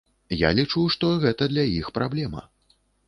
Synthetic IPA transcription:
ja̰lʲit͡ʂuʂt̪ɔɣɛt̪ɐd̪lʲɐjixpɾʔablʲɛmɐ̰

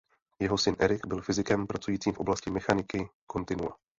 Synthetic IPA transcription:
jɛɦo̞sɪnʔɛɾɪɡbɪlfɪzɪkɛmpɾat͡sujiːt͡siːmfʔo̞blascɪmɛxanɪkɪko̞nt̪ɪnua̰

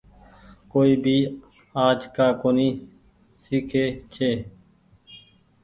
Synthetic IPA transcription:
koːiːbʱiː | aːd͡ʒkaːkoːniː | siːkʰeːt͡ʃʰeː

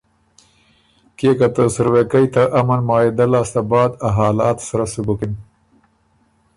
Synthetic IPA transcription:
kekat̪əsaɾwekajt̪aʔamanmɑːɪd̪alɑːst̪abɑːd̪aɦɑːlɑːt̪saɾasubukin

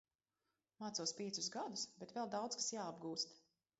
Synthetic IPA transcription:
maːt̪suɔspʲiɛt̪suzɡad̪usbɛt̪vɛlˠd̪awd̪skḁsjaːabɡuːst̪

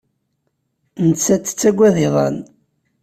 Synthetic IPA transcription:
nət͡sːæt͡sːə̥t͡sːæɡʷːæðɪðˤɑ̰n

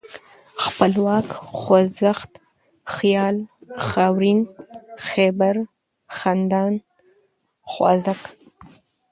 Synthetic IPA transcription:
xpəlwɑːkxozaxt̪ | xjɑːlxɑwɾinxebaɾ | xand̪ɑːn | xwɑ̰ːzak

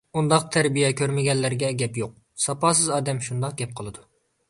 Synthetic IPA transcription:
und̪ɑq̚t̪ʰɛɾbijɛkʲʰøɾmɪɡʲɛnːæɾɡʲɛɡʲɛpjoq̚ | sɑpɑːsɨzɑːd̪ɛmʃund̪ɑqɡʲɛp̚qʰəlˠɨd̪u

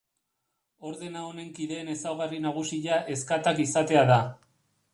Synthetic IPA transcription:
o̞ɾðe̞naone̞ŋkiðe̞ːne̞sawɣarinaɣ̞usiʎaʔe̞skat̪akisat̪e̞aða

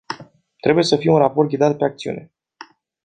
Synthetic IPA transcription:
t̪ɾe̞buje̞səfijeunraport̪̚ɡʲid̪at̪̚pe̞ak̚t̪siṵne̞

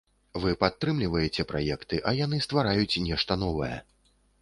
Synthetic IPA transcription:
vɨpat̪ːɾɨmlʲivɐjɛt͡sʲɛpɾajɛkt̪ɨʔɐjanɨst̪vaɾajut͡sʲnʲɛʂt̪ɐnɔvɐjɛ̰

